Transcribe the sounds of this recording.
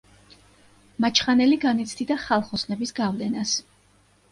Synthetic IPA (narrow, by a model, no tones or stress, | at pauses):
mat͡ʃʰχanɛliɡanit̪sʰd̪id̪aχalˠχɔsnɛbisɡavlɛnas